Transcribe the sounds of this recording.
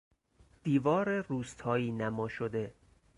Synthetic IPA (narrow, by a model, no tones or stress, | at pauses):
d̪̥iːvɒːɾeruːst̪ʰɒːiːnæmɒːʃod̪e̞